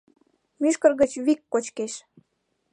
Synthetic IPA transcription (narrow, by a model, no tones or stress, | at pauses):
myʃkərɣət͡ɕβikːot͡ɕkeʃ